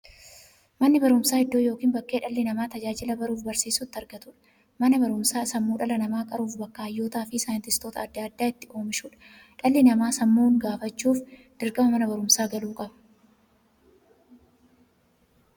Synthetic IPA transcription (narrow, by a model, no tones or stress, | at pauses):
mɐnːɪbɐɾʊmsaːhɪd̪ːoːjo̞ːkiːnbɐkːe̞ːᶑɐlːɪnɐmaːt̪ɐd͡ʒaːd͡ʒɪlɐbɐɾuːfbɐɾsiːsʊt̪ːɐɾɡɐt̪ʊᶑɐ̥ | mɐnɐbɐɾʊmsaːsɐmːuːᶑɐlɐnɐmaːkʼɐɾuːfbɐkːaɐjːo̞ːt̪aːfɪsaːjɪnt̪ɪst̪oːt̪ɐːd̪ːaːd̪ːaːɪt̪ːɪʔo̞ːmɪʃuːᶑɐ̥ | ᶑɐlːɪnɐmaːsɐmːuːŋɡaːfɐt͡ʃːuːf | d̪̥ɪɾkʼɐmɐmɐnɐbɐɾʊmsaːɡɐluːkʼɐbɐ̥